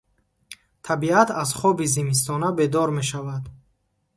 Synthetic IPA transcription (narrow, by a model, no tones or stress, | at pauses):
t̪ʰabiat̪ʰazχɔbizimis̬t̪ʰɔnabe̞d̪ɔɾme̞ʃavad̪